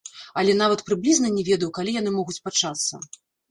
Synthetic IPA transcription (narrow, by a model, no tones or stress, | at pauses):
ɐlʲɛn̪avɐt̪pɾɨblʲiznɐnʲɛvʲɛd̪ɐjwkalʲijanɨmɔɣut͡sʲpat͡ʂat̪sːɐ̰